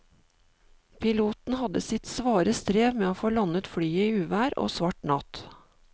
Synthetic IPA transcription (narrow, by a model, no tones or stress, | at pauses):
pʰɪluːt̪n̩hɑd̪əsɪt̪sʋɑːɾəst̪ɾeːʋmeːoːfoːlɑnət̪fɽyːəiːʉːʋæːɾo̰ːsʋɑʈnɑt̪